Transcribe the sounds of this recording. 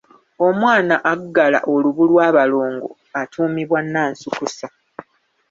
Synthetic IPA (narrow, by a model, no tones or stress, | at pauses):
o̞mwaːnaʔaɡːala̰ʔo̞luβulwaːβalo̞ːŋɡo̞̰ | atʰuːmiβwanːaːnsukusa